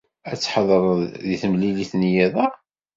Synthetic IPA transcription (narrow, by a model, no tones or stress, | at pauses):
æt͡sːħəðˤɾˤðiθəmliliθnjæðˤæ